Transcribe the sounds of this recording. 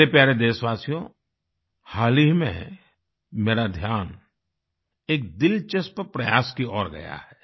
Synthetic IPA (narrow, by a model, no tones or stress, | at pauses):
epjaːɾed̪eːsʋaːsijõ | haːliɦmḛ̃ | meːɾad̪ʱjaːn | eːk̚d̪ɪlt͡ʃɐspəpɾɐjaːskiɔːɾɡɐ̰ja̰ɛː